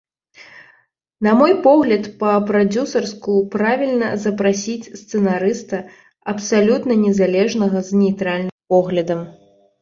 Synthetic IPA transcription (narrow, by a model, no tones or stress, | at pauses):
nɐmɔjpɔɣlʲɐt̪pɐpɾad͡zʲusɐrskupɾavʲilʲnɐ̰zɐpɾasʲit͡sʲst̪sɛnaɾɨst̪ɐ | ɐpsalʲut̪nɐnʲɛzalʲɛʐnɐɣɐznʲejt̪ɾalʲnɨmpɔɣlʲɐd̪ɐm